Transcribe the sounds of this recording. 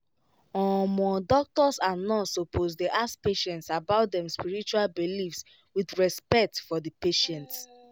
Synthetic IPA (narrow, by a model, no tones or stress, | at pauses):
ɔ̃mɔ̃dɔk̚tɔsãnɔ̃sopʰozdeʔaspeʃɛ̃ntsabaʊtdɛ̃mspiɹit͡ʃualbilifs | wiθɹɛspɛk̚tfɔdəpeʃɛ̃nt